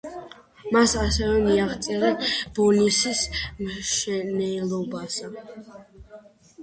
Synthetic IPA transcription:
masasɛvɛmiaʁt̪sʼɛɾab̥ɔnisismʃɛnɛlˠɔbasa

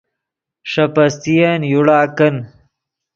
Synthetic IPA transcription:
ʂɐpɐst̪ijɐnjuɽaːkɐn

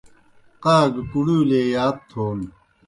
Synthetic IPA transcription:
qaːɡkuɽuːleːjaːt̪̚t̪ʰːoːn

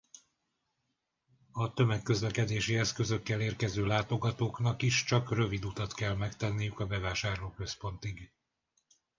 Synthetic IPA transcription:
ɒt̪ø̞mɛkːø̞zlɛkɛd̪eːʃiɛskø̞zø̞kːɛleːrkɛzøːlaːt̪o̞ɡɒt̪oːknɒkiʃt͡ʃɒkrø̞vid̪ut̪ɒt̪kɛlmɛkt̪ɛnːijykɒbɛvaːʃaːrloːkø̞spo̞n̪t̪iɡ

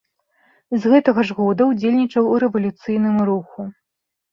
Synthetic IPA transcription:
zɣɛt̪ɐɣɐʐɣɔd̪ɐwd͡zʲelʲnʲit͡ʂɐwuɾɛvɐlʲut̪sɨjn̪ɨmɾuxu

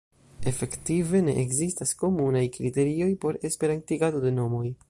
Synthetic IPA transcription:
e̞fe̞ktive̞ne̞̰ʔekzistasko̞munajkɾite̞ɾio̞jpo̞ɾe̞spe̞ɾantiɡado̞de̞no̞mo̞j

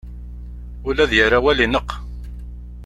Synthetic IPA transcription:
ʊlæðjəɾawælinəqː

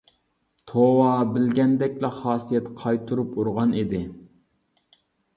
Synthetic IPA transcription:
t̪ʰowɑbɪlɡʲɛnd̪ɛkʲlɛχɑːsijɛt̪qʰɑjt̪ʰuɾupuɾʁɑnid̪ɪ

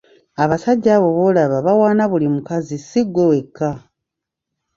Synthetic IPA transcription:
aβasaɟːaːβo̞βolaβaβawaːnaβulimukazisiɡːo̞we̞kʰːa

